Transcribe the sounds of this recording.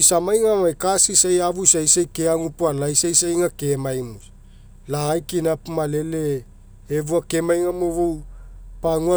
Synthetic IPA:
isamajŋamajkasisajavusajsajkeaŋupualajsajsajŋake̞majmus | laːjkinapumale̞leː | vuakemajŋamovuwpaŋua

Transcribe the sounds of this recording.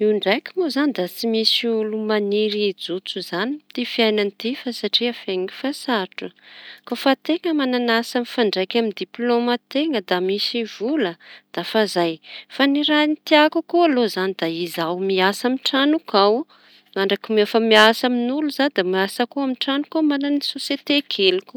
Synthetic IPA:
iɳɖ͡ʐajkʲimozanid̪at͡simisiulumaniɾid͡zut͡suzanit̪ifiajnanit̪ifasaʈ͡ʂiafeŋiifasaʈ͡ʂukafat̪eŋəmananasanifaɳɖ͡ʐajkamind̪iplomat̪eŋəd̪amisivuləd̪̥afazajfaniɾanit̪iakukualozanid̪aizawmiasamiʈ͡ʂanukaw | maɳɖ͡ʐakimafamiasaminuluzanid̪amiasəkuamiʈ͡ʂanukumananisosjet̪ekʰelikʲu̥

